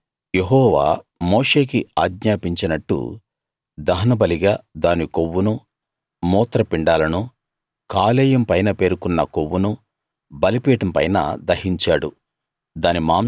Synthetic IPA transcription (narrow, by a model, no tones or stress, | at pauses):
jeɦɔːʋa̰ːmoːʂe̞ːkiaːɡɲaːpiɲt͡ʃinɐʈːṵ | d̪ɐɦɐnɐbɐliɡaːd̪aːnikoʋːunu | mɔːt̪ɾɐpiɳɖaːlɐnu | kaːlɛːjɐmpɐjnɐpe̞ːɾukunːɐkowːunu | bɐlipiːʈɐmpɐ̰jnɐ̰d̪ɐhiɲt͡ʃaːɽṵ | d̪aːnimaːm